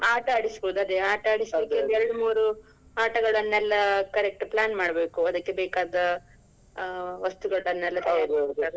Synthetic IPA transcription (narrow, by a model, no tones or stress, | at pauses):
aːʈaːɽisboːd̪uɐd̪eaːʈaːɽisd̪ikːeɐnd̪ɛɾɐɽumuːɾu | aːʈɐɡɐɭɐnːɛlːɐkɐɾek̚ʈplaːnmaːɽbe̞ːkuɐd̪ɐkːebɛːkaːd̪ɐ | ʋɐst̪uɡɐɭɐnːɛlːɐt̪ɐjaːɾmaːɡut̪ːaːɡ